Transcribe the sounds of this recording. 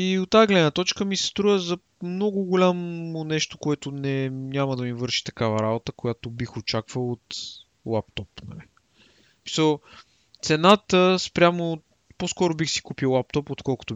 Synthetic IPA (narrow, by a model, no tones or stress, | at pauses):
iot̪ːaɛɡlɛd̪nət̪ɔt͡ʃkəmisɛ̥st̪ɾujəzɐ | mnɔɡʊɡʊlʲamːʊnɛʃt̪o̥koɛt̪ʊnɛnɲʲaməd̪ɐmivɤɾʃi̥t̪ɐ̥kavɐɾabot̪əkojat̪obixot͡ʃakvəlˠot̪ | lˠapt̪ɔpnɐ̰li | mi̥səlˠ | t̪sɛnat̪əspɾʲamo | poskɔɾʊbixsi̥kupiwˠlˠap̚t̪ɔpot̪kɔlˠkʊ̥t̪o